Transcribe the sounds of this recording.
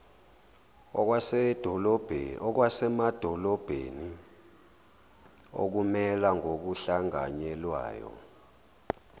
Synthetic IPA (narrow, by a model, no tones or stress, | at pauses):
wasɛd̥ʱɔlɔb̥ʱɔk̬wasɛmad̥ʱɔlɔb̥ʱḛni | o̰k̬umɛlaŋʱok̬uɬaŋa̰ɲɛlwa̰ːjɔ̰